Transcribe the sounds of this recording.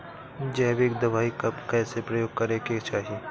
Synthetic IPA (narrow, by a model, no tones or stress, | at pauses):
d͡ʒɛːbeːk̚d̪ɐʋaːikɐbkɛːsepɾɐjoːɡ̚kɐɾeket͡ʃaːɦieː